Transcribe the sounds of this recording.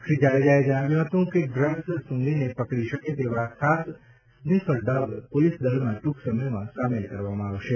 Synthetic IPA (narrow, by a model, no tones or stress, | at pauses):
kʰɾid͡ʒaɭed͡ʒajed͡ʒəɽ̃aʋjũɦət̪ũũkeɡɾə̃ssʊ̃ŋɡinepəkɽiʃəket̪eʋaakʰas | smɪfʰəlɖəɡpolisd̪əlmãʈuksəməjmãsamelkəɾʋamãːʋʃe